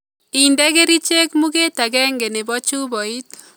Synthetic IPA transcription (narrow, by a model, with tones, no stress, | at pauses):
i˨ndɛ˦ke˦ɾi˦t͡ʃe˦kmu˦ke˦ta˨ɡɛ˦ŋɡe˨ne˨bɔ˦t͡ʃu˦bɔ˨it